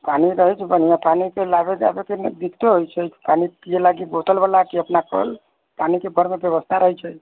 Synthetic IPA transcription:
paniɾəɦɛt͡ʃʰbən̤ijãpanikelabed͡ʒa̰bekend̪ikʰt̪oɦojt͡ʃʰət͡ʃʰpanipielaɡibot̪əlbəlakiəpnakə̰l | panikebəɾmebjəβəst̪ʰaɾəɦɛt͡ʃʰə

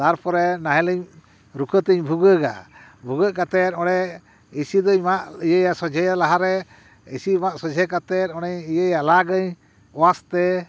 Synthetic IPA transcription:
t̪aɾpɔɾɛnaɦɛləɲ | ɾukʰət̪əɲbʱuɡəɡa̰ | bʱuɡəkat̪ɛt̪ɔɽɛ | isid̪ɔɲmaʔijəjasɔd͡ʒʱɛjalaɦaɾɛ | isimaʔsɔd͡ʒʱɛkat̪ɛt̪̚ɔɽ̃ɛɲijəjalaɡəɲ | ɔwast̪ɛ

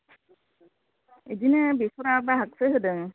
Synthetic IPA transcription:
edinɯbisɔɾabaɦak̚sɯɦɯdɯŋ

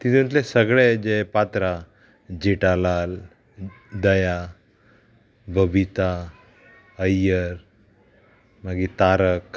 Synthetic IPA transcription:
t̪it̪ʰeə̃t̪lesəɡɭed͡ʑepat̪ɾa | d͡ʑiʈalal | d̪əja | bəbʱit̪a | əjəɾ | maɡit̪aɾək

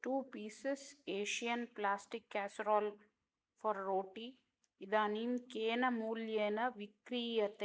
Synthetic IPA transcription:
ʈuːpiːseseːʃijɐnplaːsʈikːaːsɾɔːl | fɔɾːoːʈi | id̪aːnimkeːnɐmuːljeːnɐʋikɾiːjɐt̪e

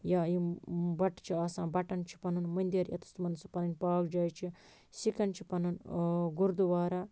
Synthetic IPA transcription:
jajibɐʈt͡ʃʰiaːsãːbɐʈɐnt͡ʃʰi̥pɐnɐnmɐnʲd̪iɾjɐ̰t̪u̥st̪umɐnsɐ̥pɐnɐnʲpaːkd͡ʒaːjt͡ʃʰi | sikɐnt͡ʃʰi̥pɐnɐnɡuɾd̪uʋaːɾaː

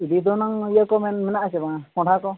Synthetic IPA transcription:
id̪id̪ɔnaŋijəkɔmɛnmɛnaʔat͡ʃɛbakɔ̃ʈʰakɔ

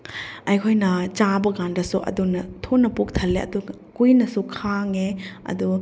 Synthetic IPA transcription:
ɐjkʰojnɐt͡ʃabɐɡandɐsuʔɐ̰dunɐtʰonːɐpuk̚tʰɐlːeɐ̰du | kujnɐsukʰaŋeɐ̰du

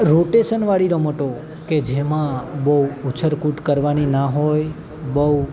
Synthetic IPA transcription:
ɾoʈeʃənʋaɭiɾəməʈo | ked͡ʒemãbəwut͡ʃʰəɾkuʈkəɾʋaninaɦoj | bə

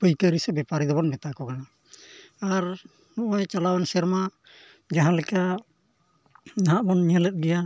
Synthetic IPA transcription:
pəjkəɾisɛbɛpaɾid̪ɔbɔnmɛt̪akɔkanaː | ɾ | nɔʔɔjt͡ʃalawansɛɾma | d͡ʒaɦãlɛkaʔ | naɦaʔbɔnɲəlɛt̪̚ɡɛja

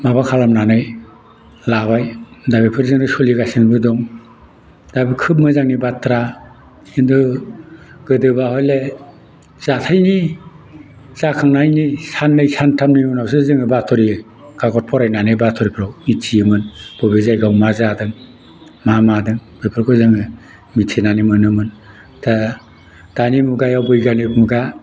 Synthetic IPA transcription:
mabakʰalamnanɯj | laβajdabipʰɯɾzɯŋdɯsɔliɡasɯnbɯdɔŋ | dabikʰɯp̚mɯzaŋnibatʰɾa | indɯ | ɡɯdɯbahɔjle | z̥atʰajni | z̥akʰaŋnajnisanːɯjsantʰamnijɔnawsɯzɯŋɯbatʰɔɾi | ɡaɡɔt̚pʰɔɾajnanɯbatʰɔɾipʰɾɔwitʰijɯmɯnb̥ɔbezajɡawmazadɯŋ | mamadɯŋbɯjpʰɯɾkʰɔjzɯŋɯ | mitʰenanimɯnɯmɯn | tʰa | d̥animuɡajawbɯjɡanip̚muɡa

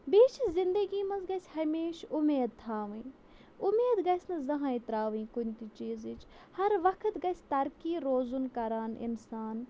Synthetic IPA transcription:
biːt͡ʃʰizɪnd̪əɡiːmɐnzɡɐsʲhɐmeːʃʊmeːd̪̚t̪ʰaːʋĩ | ʊmeːd̪ɡɐsʲnɐzɐɦãːit̪ɾaːʋĩːkunt̪it͡ʃiːzit͡ʃ | hɐɾʋɐkʰət̪ɡɐsʲt̪ɐɾkiːɾoːzunkɐɾaːnɪ̰nsaːn

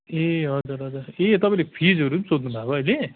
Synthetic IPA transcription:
eɦʌd͡zuɾɦʌd͡zuɾet̪ʌpaĩlepʰid͡zɦʌɾũsod̪nubʱaboʌjle

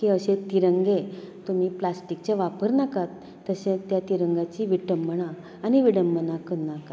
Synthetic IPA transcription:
kiəɕet̪iɾəŋɡe | t̪um̤iːplasʈik̚t͡ɕeʋapəɾnakat̪ːəɕẽt̪jat̪iɾəŋɡat͡ɕiʋiʈəmːəɳaː | niʋiɽəmːənakənaka

